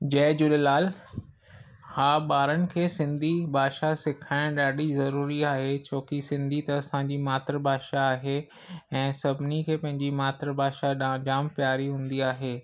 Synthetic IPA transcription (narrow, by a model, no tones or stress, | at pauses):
d͡ʑɛːd͡ʑʊlelaːl | haːɓaːɾənɪ̆kʰeːsɪ̃nd̪ʱibʱaːʃasɪkʰaːɪ̃ɗaːɖizɐɾuːɾiaːɦet͡ɕoːkisɪ̃nd̪ʱit̪ɐɐsãɲd͡ʑimaːt̪ɾbʱaːʃaːɦe | ɛ̃ːsɐbʱɪnikʰeːpɐ̃ɦɪ̃ɲd͡ʑimaːt̪ɾbʱaːʃad͡ʑaːmpjaːɾiɦũːn̆d̪iaːɦeː